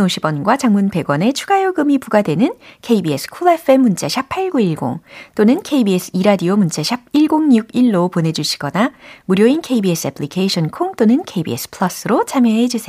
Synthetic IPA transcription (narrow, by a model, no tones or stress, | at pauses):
noɕʰibwʌnɡwat͡ɕaŋmunbe̞ɡwʌne̞t͡ɕʰuɡajoɡɯmipuɡadwe̞nɯnkʰe̞ibies͈ʰɯ̥kʰolepʰe̞munt͡ɕ͈aɕʰipʰaiɭɡoiɭɡo̰ŋt͈onɯnkʰeibiesʰɯ̥iɾadiomunt͡ɕ͈aɕʰib̚iɭɡoŋɲuɡiɭːopone̞d͡ʑuɕʰi̥ɡ̥ʌnamuɾjoinkʰeibies͈ʰɯepʰɭikʰeiɕʰʌnkʰoŋt͈onɯnkʰeibiḛs͈ʰɯ̥pʰɯɭʌs͈ɯɾot͡ɕʰamjʌɦe̞d͡ʑusʰe